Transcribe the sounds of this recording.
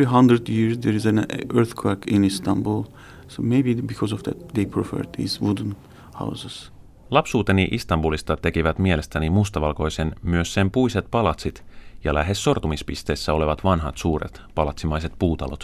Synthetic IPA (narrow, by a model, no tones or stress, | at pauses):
iɦãnd̪ɾəd̪jiɹzd̪eɹizæ̃nʔøɹθkʰwækĩnist̪ãnbulˠ | someɪbibikʰɔzɔvd̪æ̰t̪̚d̪ejpʰɹɔfə̰ɹd̪ḭzʋudə̃n | ha̰wzəz̥ | lɑpsuːt̪e̞niʔist̪ɑmbulist̪ɑt̪e̞kiʋæt̪mie̞le̞st̪ænimust̪ɑʋɑlko̞jse̞nmyø̞sːe̞mpujset̪̚pɑlɑt̪sit̪jɑlæɦe̞sːo̞rt̪umispist̪e̞ːsːæo̞le̞ʋɑt̪ʋɑnɦɑt̪suːɾḛt̪pɑlɑt̪simɑjse̞t̪puːt̪ɑ̰lo̞̰t̪